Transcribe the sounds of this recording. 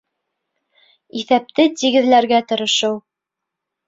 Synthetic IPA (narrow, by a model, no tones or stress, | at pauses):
iθæp̚t̪ɘt̪iɡɘ̆ðlæɾɡæt̪ɤ̆ɾɤ̆ʃɤw